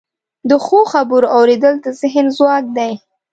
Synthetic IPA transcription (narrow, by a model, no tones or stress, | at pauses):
d̪əxoxabuɾawɾed̪əld̪əzɪɦənzwɑk̚d̪aj